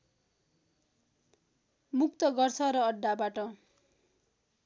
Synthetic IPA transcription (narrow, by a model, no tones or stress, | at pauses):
muk̚t̪ʌɡʌrt͡sʰʌɾʌʌɖːabaʈʌ